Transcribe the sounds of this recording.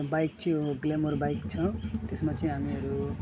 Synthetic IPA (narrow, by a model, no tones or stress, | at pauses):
bajk̚t͡sʰiɡlemorbajkt͡sʰʌ̃t̪esmat͡sʌĩɦamiʌɾu